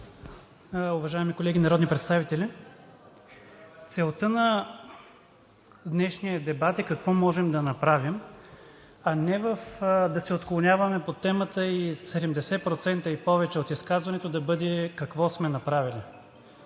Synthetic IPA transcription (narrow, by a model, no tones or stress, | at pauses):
ʊvɐʒaɛmikolɛɡʲinɐɾɔd̪nipɾɛt̪st̪avit̪ɛli | t̪sɛlˠt̪ɤnɐ | d̪nɛʃnijəd̪ɛbat̪ɛkɐkvɔmɔʒɛmd̪ɐnɐpɾavim | ɐnɛvəfd̪ɐsɛot̪klˠonʲjavɐmɛpot̪ɛmət̪əisɛd̪ɛmd̪ɛsɛpɾot̪sɛnt̪əipɔvɛt͡ʃɛot̪iskazvɐnɛt̪od̪ɐbɤd̪ɛkɐkvɔsmɛnɐpɾavili